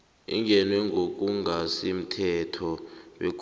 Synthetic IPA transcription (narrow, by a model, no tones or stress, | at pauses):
ḭŋʱɛnwɛŋɡʱok̬ʼuŋʱasim̩tʰɛtʰɔɓḛk̬ʰʼ